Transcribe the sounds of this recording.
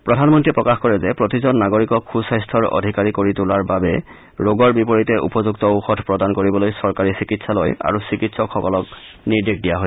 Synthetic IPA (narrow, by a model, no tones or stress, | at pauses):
pɹɔdʱanmɔntɹiɛpɹɔkaxkɔɹɛzɛpɹotizɔnːaɡoɹikɔkxusajstʰɔɹɔ̰dʱikaɹikoɹitʊlaɹbabɛ | ɹoɡɔɹbipɔɹitɛʔṵpɔzuktɔxɔtpɹɔdankoɹibɔlojsɔɹkaɹisikitsalo̰ja̰ɹusikitsɔkʰːɔkɔlɔk̚ | niɹdekdijaɦo